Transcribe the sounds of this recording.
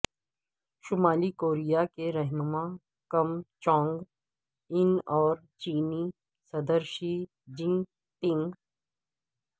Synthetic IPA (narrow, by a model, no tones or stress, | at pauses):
ʃʊmaːlikoːɾijakeɾɛɦnʊma | kɐmt͡ʃɔ̃ːŋɡ | ɪnɔːɾ | t͡ʃiːni | sɐd̪əɾʃi | d͡ʒɪ̃ŋ | t̪ɪ̃ŋɡ